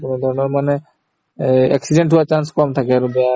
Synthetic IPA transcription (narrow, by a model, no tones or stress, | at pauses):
kunɔd̪ʱɔɹɔnɔɹmanɛ | a̰ksideɳʈɦuwat͡ʃanskɔmt̪ʰakɛɾubɛa